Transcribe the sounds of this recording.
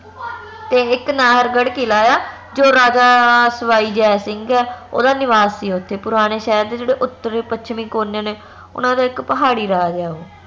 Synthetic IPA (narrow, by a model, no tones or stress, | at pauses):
t̪eːɪknaːɦəɾɡəɽkiːlaːjaː | d͡ʒoːɾaːd͡ʒaːsəʋaːiːd͡ʒɛːsɪŋɡɛːo̰ːd̪aːnɪʋaːssiːʊt̪ʰːeːpʊɾaːñeːʃɛːɾd̪eːd͡ʒeːɽeːʔʊt̪ːəɾeːpət͡ʃʰmĩːkoːneːneː | ʊ̰nãːd̪aːɪkpəɦaːɽiːɾaːd͡ʒaːoː